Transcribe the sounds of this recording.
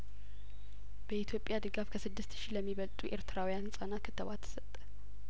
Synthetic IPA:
b̥əit̪ʰjo̞pʼjad̪ɨɡafkʰəsɨd̪ːɨst̪ʃiləmːiβəlt̪ʼuʔe̞ɾt̪ʰɨɾawijansʼanat̪kʰɨt̪ʰːəβat̪ʰːə̥sət̪ʼːə̥

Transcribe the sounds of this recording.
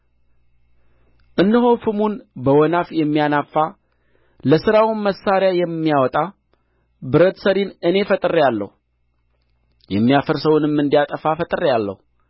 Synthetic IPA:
ʔɨnːɨɦo̞fɨmunbəwɔnafjɛmːijanafːa | ləsɨɾawʊnməsːaɾjajɛmːijawɔt̪ʼa | bɨɾət̪səɾinɨne̞fət̪ʼɨɾejalːə̰hu | jɛmːijafəɾsəwunɨmːɨnd̪ijat̪ʼəfafət̪ʼɨɾejalːə̰hu

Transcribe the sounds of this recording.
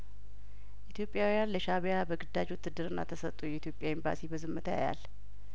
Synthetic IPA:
ʔit̪ʰjo̞pʼːjawijanləʃaβjabəɡɨd̪ad͡ʒwʊt̪ʰːɨd̪ːɨɾɨnːa̰t̪ʰəsət̪ʼːujɛit̪ʰjopʼjaimba̰sibəzɨmːət̪ʰja̰ja̰l

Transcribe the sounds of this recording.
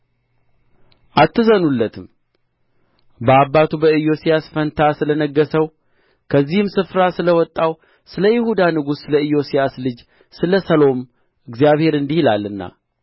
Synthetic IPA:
ʔat̪ʰːɨzənulːət̪ʰɨm | bəabːat̪ʰubəɨjo̞sijasfənt̪ʰasɨlənəɡːəsəw | kʰəzːihɨmsɨfɾasɨləwɔt̪ʼːaw | sɨləjɪhud̪anɨɡusːɨləɨjːo̞sijaslɨd͡ʒ | sɨləsəlo̞m | ɨɡzijaβhe̞ɾɨnd̪ihilalːɨnːa̰

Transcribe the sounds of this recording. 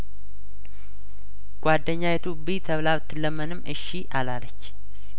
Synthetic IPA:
ɡ̥ʷad̪ːəɲːajɛt̪ʰobit̪ʰəβlaβt̪ʰːɨlːəmənɨmʔɨʃiʔalalət͡ʃː

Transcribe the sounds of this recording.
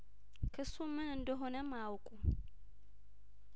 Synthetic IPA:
kʰɨsːumɨnɨnd̪əɦonəmawkʼu

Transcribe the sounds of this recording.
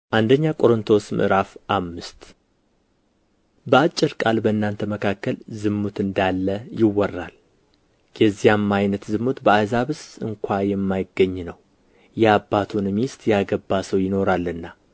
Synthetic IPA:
ʔand̪əɲːakʼo̞ɾɨnt̪ʰo̞smɨ̰ʔɨɾafʔamːɨst̪ | bəat͡ʃʼːɪɾkʼalbəɨnːant̪ʰəməkʰakːəlzɨmːut̪ʰɨnd̪alːəjɪwːɔrːa̰l | jɛzːijamːajnət̪zɨmːut̪bəazaβɨsɨŋkʷʰajɛmːajɪɡːəɲːnəw | jɛabːat̪ʰunmist̪jaɡəbːasəwjɪno̞ɾalːɨnːa

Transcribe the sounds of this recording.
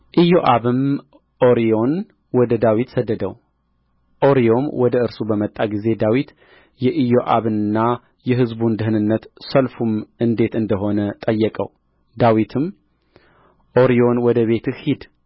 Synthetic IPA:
ʔɨjoʔaβɨm | ʔoɾio̞n | wɔd̪əd̪awit̪səd̪ːəd̪əw | ʔo̞ɾijo̞mwɔd̪əɨɾsubəmət̪ʼːaɡize̞d̪awit̪ | jɛʔɨjoʔa̰βɨnnːa | jɛɦɨzbund̪ɨɦɨnɨnːət̪səlfumʔɨnd̪e̞t̪ɨnd̪əɦo̞nət̪ʼəjːɛkʼə̰w | d̪awit̪ʰɨm | ʔoɾio̞nwɔd̪əβe̞t̪ʰɨhid̪

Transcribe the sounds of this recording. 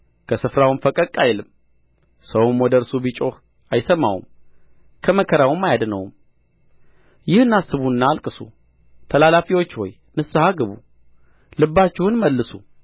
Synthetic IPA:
kʰəsɨfɾawunfəkʼəkʼːajlɨm | səwmwɔd̪əɾsubit͡ʃʼo̞h | ajsəmːa̰wṵm | kʰəməkʰəɾawumːajad̪nəwm | jɪhɨnːasːɨβuɨnːaːlkʼɨsṵ | t̪ʰəlalafiwo̞t͡ʃːhɔ̰j | nɨsːahaɡəβṵ | lɨbːat͡ʃːɪhʊnməlːɨsu

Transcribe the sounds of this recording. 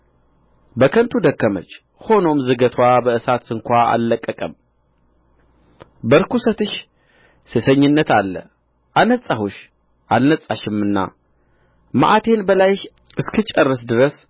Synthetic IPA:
bəkʰənt̪ʰud̪əkːəmə̰t͡ʃː | ho̞no̞mzɨɡət̪ʰwabəɨsat̪ɨŋkʷaa̰lːəkʼːəkʼəm | bəɾkusət̪ɨʃ | sesəɲːɪnːət̪alːə̰ | ʔanət͡sʼːahoʃ | ʔalnət͡sʼːaʃɨmːɨnːa̰ | ma̰ʔat̪ʰe̞nbəlaj | ʔɨskʰɨt͡ʃʼərːəsd̪ɨɾəs

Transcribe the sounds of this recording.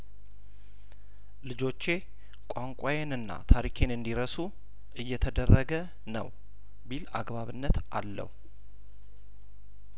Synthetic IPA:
lɨd͡ʒo̞t͡ʃːe̞ | kʷʼaŋkʼajenɨnːa̰t̪ʰaɾikʰe̞nɨnd̪iɾəsu | ʔɨjːɛt̪ʰəd̪ərːəɡə | nə̰w | bila̰ɡbaβɨnːət̪alːə̰hu

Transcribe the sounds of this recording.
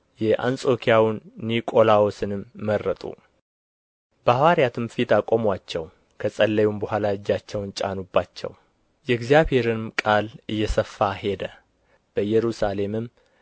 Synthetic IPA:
jɛʔa̰nsʼo̞kʰijawnːikʼo̞lawosɨnɨmːərːət̪ʼṵ | b̥əwaɾjat̪ʰɨmfit̪ʰakʼomwat͡ʃːɛw | kʰəsʼəlːəjumbəhʷalaɨd͡ʒːat͡ʃːɛwnt͡ʃʼa̰nubːat͡ʃːɛ̰w | jɛɡzjaβhe̞ɾɨmkʼalʔɨjːɛsəfːaɦe̞d̪ə | b̥əjːɛɾusale̞mɨm

